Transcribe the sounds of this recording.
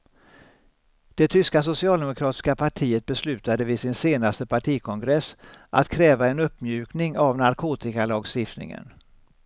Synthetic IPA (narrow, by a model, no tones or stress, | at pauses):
d̪̥ɛt̪ʰʏskas̬ʊsɪɑːld̪ɛmʊkʰɾɑːt̪ɪ̥skapʰaʈʰiːət̪̚bɛslʉ̟ːt̪ad̪əvɪsɪnseːnast̪əpʰaʈʰiːkʰɔŋɡɾɛsːʔa̰t̪kʰɾɛːvaɛnɵpːmjʉ̟ːknɪŋavnaɾkʰoːt̪ɪkalɑːɡst̪ɪft̪nɪ̰ŋə̰n